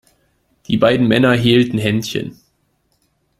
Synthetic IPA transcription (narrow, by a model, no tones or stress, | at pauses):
d̥iːbaɪdn̩mɛnɐɦeːltn̩ɦɛntçə̰n